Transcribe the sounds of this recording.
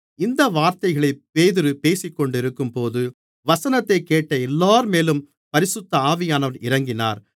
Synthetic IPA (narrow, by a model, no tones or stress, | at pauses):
ɪnd̪ɐʋaːɾt̪ɐɪɣɐɭɐɪpeːðɪɾɯpeːsɪkːɔɳɖɪɾɯkːɯmpoːðɯ | ʋɐsɐnɐt̪ːɐɪkːeːʈːɐɛlːaːɾmeːlɯm | pɐɾɪsɯt̪ːɐaːʋɪjaːnɐʋɐɾɪɾɐŋɡɪna̰ːɾ